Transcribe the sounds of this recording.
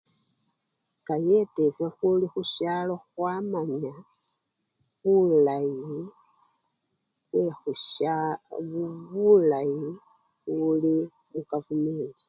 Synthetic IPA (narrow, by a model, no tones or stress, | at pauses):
kajetevwexulixuʃalo̞xwamaɲa | βulaji | xwexu | βulaji | ɣuli | βukavumeːli